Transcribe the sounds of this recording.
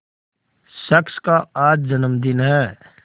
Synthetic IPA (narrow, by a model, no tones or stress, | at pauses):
ʃəkskaaːd͡ʒd͡ʒənəmd̪ɪnɦɛː